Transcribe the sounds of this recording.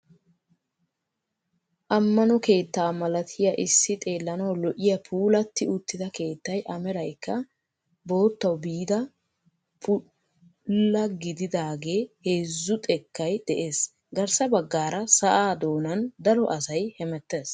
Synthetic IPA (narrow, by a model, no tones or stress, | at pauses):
ʔɐmːɐnɔke̞ːt̪ːaːmɐlɐt̪ʰɪjɐʔɪsːɪt̪ʼe̞ːlːɐnɐwlɔʔɪjɐpʰuːlɐt̪ːɪʊt̪ːɪd̪ɐke̞ːt̪ːɐjʔɐmɛɾɐjkːɐ | bo̞ːt̪ːɐwbiːd̪ɐ | pʰʊ | lːɐɡɪd̪ɪd̪aːɡe̞ːheːzːʊt̪ʼɛkːɐjd̪̥ɛʔe̞ːs | ɡɐɾsɐbɐɡːaːɾɐsɐʔaːd̪o̞ːnɐnd̪ɐlɔʔɐsɐjhɛmɛt̪ːeːs